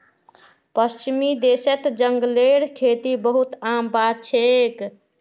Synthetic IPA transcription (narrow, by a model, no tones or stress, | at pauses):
pəst͡ʃimid̪eset̪d͡ʒəŋɡleɽkʰet̪ibəɦut̪ambad̪̚t͡ʃʰek